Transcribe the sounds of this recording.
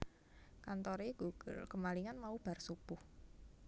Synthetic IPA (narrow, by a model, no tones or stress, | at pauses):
kant̪ɔɾeɡ̥uɡ̰lkəmaliŋanmaub̥a̤rsub̥ʊh